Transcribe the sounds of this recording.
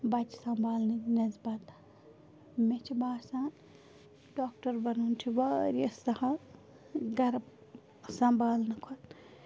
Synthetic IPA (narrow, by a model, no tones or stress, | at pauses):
bɐt͡ʃsɐmbʱaːlnɐnezbɐt̪ | met͡ʃʰibaːɾsãː | ɖoːk̚ʈɐɾbɐnunt̪ʰiʋaːɾiɐsɐha | ɡɐɾb | sɐmbaːlnɐkʰon